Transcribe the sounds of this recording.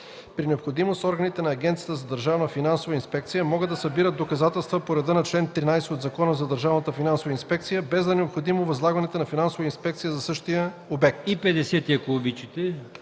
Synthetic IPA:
pɾinɛopxod̪imost̪ɔɾɡənit̪ɛnɐːɡʲɛnt̪sijət̪əzɐd̪ɐɾʒavnəfinansovəinspɛk̚t̪sijəmɔɡəd̪ɐsɐbiɾəd̪̚d̪okɐzat̪ɛlˠst̪vəpoɾɛd̪ənɐt͡ʃlɛnt̪ɾinajsɛod̪zɐkɔnəzɐd̪ɐɾʒavnət̪əfinansovəinspɛkt̪sijəbɛzd̪ɐnɛopxod̪imovɐzlˠaɡɐnɛt̪onɐfinansovəinspɛk̚t̪sijəzɐsɤʃt̪ijə | obɛk̚t̪ipɛd̪ɛsɛt̪iɛkolˠobʲit͡ʃit̪ɛ

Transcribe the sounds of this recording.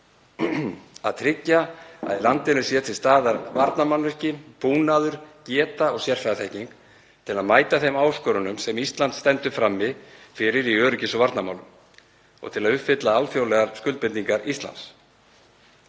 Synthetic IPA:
a̰ðt̪ʰɾɪcːaa̰ðlant̪ɪnʏ̥sjɛt̪ʰɪlst̪aːðaɾvaɾt̪namanːʏscɪpuːnaðʏɾ̥cɛːt̪aɔɣsjɛr̥faθɛhciŋk | t̪ʰɪlaðmaːjt̪aθejmaːwskœɾʏnʏmsɛmist̪lant̪st̪ɛnt̪ʏfɾamːɪðfɪɾɪɾiœːɾʏcɪsɔvaɾt̪nama̰wlʏ̰m | ɔ̰ɣt̪ʰɪlaðʏhpfɪt̪laalfjowlɛɣaɾskʏlt̪pɪnt̪ːiŋkaɾist̪la̰nt̪s

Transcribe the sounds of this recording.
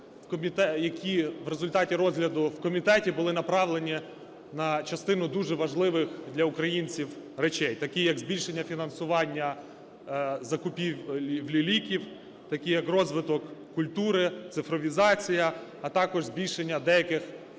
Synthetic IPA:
wkɔmʲit̪ɛjɐkʲiʋɾezʊlʲt̪ɑtʲiɾɔzɦlʲɐd̪ʊwkɔmʲit̪ɛtʲibʊlˠɪnɐpɾɑʋlˠe̞nʲi | nɐt͡ʃɐst̪ɪnʊd̪uʒɛʋɐʒlˠɪʋɪxd̪lʲɐʊkɾɐjinʲt͡sʲiwɾet͡ʃɛjt̪ɐkʲijɐɡzʲbʲilʲʃe̞nʲːɐfʲinɐnsʊʋɑnʲːɐ | zɐkʊpʲiʋwlʲilʲikʲiw | t̪ɐkʲijɐkrɔzʋɪt̪ɔkː | ʊlʲt̪uɾɪt̪sɪfɾɔʋʲizɑt͡sʲijɐːt̪ɑkɔʒzbʲilʲʃenʲːɐd̪ɛjɐkɪx

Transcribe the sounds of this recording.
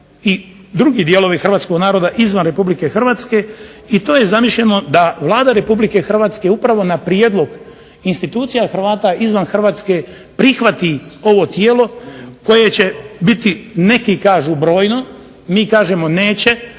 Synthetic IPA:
i | d̪ɾuɡiːd̪je̞lo̞ʋixr̩ʋaːt̪sko̞ɡnaːɾo̞d̪aʔizʋanɾe̞publike̞xr̩ʋaːt̪ske̞ | it̪o̞ːjezamiʃʎʲeno̞d̪aʋlˠaːd̪aɾe̞publike̞xr̩ʋaːt̪ske̞upɾaʋo̞napɾjeːd̪lˠo̞ɡ | inst̪it̪uːt̪sijaxr̩ʋaːt̪aizʋanxr̩ʋaːt̪ske̞ | pɾixʋat̪io̞ʋo̞t̪jeːlo̞ko̞je̞t͡ɕe̞bit̪ine̞kikaːʒuːbɾo̞ːjno̞ | miːkaːʒemo̞ne̞ːt͡ɕe̞

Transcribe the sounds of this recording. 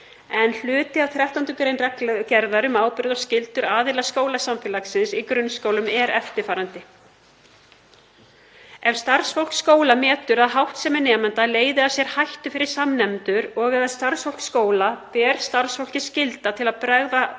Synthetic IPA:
ɛnl̥ʏːt̪ɪawθɾjaht̪ant̪ʏkɾeːjnrɛklcɛɾðaɾʏmaːwpɪɾðɔscɪlt̪ʏɾaːðɪlaskoːwlasamfɪlaksɪnsikɾʏnːskoːwlʏmɛɾɛft̪ɪɾ̥faːɾant̪ɪ | ɛv̥st̪aɾ̥sfol̥kskoːwlamɛːt̪ʏɾaðɦawht̪sɛmɛɾnɛːmant̪aleːjðɪasjɛɾ̥hajht̪ʏfɪɾɪɾ̥samnɛmt̪ʏɾɔɣvɛðaðst̪aɾsfol̥kskoːwlapɛːɾst̪aɾ̥sfol̥cɪ̥scɪlt̪at̪ʰɪlaðpɾaɣða

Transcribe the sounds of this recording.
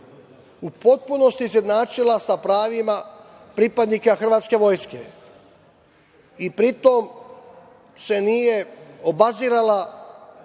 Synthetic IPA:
upo̞t̪̚puno̞st̪izjed̪naːt͡ʃilasapɾaːʋima | pɾipad̪nikaxr̩ʋaːt̪ske̞ʋo̞jske̞̰ | ipɾit̪o̞m | se̞nijeobaziːɾala

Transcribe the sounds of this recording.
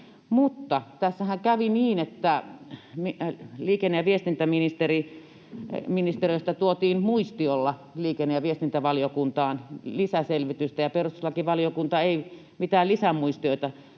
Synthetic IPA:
mut̪ːɑt̪æsːæhæŋkæʋiniːnet̪ːæmiliːkenːejɑʋiest̪int̪æminist̪eri | minist̪eriøˑst̪ɑt̪uot̪iːnmuist̪iolːɑliːkenːejɑʋiest̪int̪æʋɑlijokunt̪ɑːnlisæselʋit̪yst̪æjɑperust̪uslɑkiʋɑlijokunt̪ɑeˑi | mit̪æːlisæmuist̪ioit̪ɑ

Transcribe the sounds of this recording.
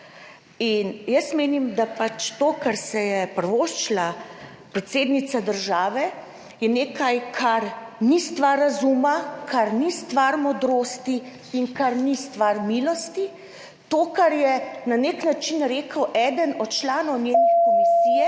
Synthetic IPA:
injəsmeːnimd̪apat͡ʃt̪oːkaɾsɛjɛpɾʋoːʃt͡ʃla | pɾɛt̪seːd̪nit̪sad̪əɾʒaːʋɛ | jɛneːkajkʰaɾnist̪ʋaɾːazuːmakʰaɾnist̪ʋaɾmɔd̪ɾoːst̪i | iŋkaɾnist̪ʋaɾmilɔst̪i | t̪oːkaɾjɛnaneknat͡ʃinɾeːkəwʔɛd̪ənɔt̪t͡ʃlaːnɔwnjeːnɛkɔmissijɛ

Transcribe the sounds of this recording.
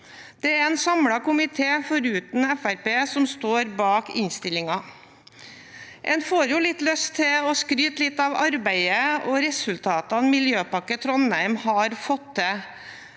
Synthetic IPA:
d̪̥ɛæɾɛnsɑmɽɑkʊmɪt̪ʰeːfɔɾʉːt̪n̩ɛfæɾpeːsɔmst̪oːɾbɑːkɪ̰ɲst̪ɪlɪŋɑ | ʔɛnfoːɾjʊlɪt̪lœst̪ʰːɛɔskɾyːt̪lɪt̪ːɑʋɑɾbæɪəɔɾɛsʉlt̪ʰɑːt̪ɑnmɪljøːpɑkːət̪ʰɾɔnːæɪmhɑɾfɔt̪ːɛ

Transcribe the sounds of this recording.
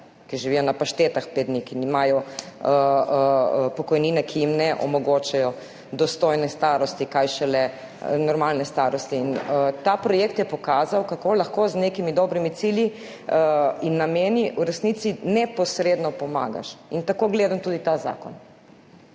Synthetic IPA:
kiʒiʋijɔnapaʃt̪et̪axped̪nikinimaːjɔə | pɔkɔjniːnɛkʰijimnɛʔɔ̰mɔɡot͡ʃajɔ | d̪ɔst̪ojnɛst̪aːɾɔst̪ikajʃɛlɛ | nɔɾmalnɛst̪aɾɔst̪iːnət̪apɾɔjeːkt̪jɛpɔkaːzawkakolaxkoznekimid̪ɔbɾimit̪silji | inːameːniʔuɾɛsnit̪sinɛpɔsɾeːd̪nɔpɔma̰ːɡa̰ʃint̪akoːɡleːd̪amt̪ud̪it̪aza̰ːkɔ̰n

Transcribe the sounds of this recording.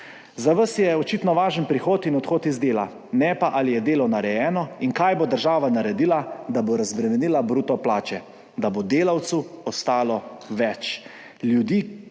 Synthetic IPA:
zaʋəsjɛɔt͡ʃit̪nɔʋaːʒənpɾixoːt̪inɔt̪xoːt̪izd̪eːla̰ | nɛpaʔalijɛd̪eːlɔnaɾɛjɛːnɔinkaːjbod̪əɾʒaːʋanaɾɛd̪ilad̪aboɾazbɾɛmɛniːlabɾuːt̪ɔplaːt͡ʃɛ | d̪abod̪eːlawt̪suɔst̪aːlɔʋɛt͡ʃ | ljud̪iː

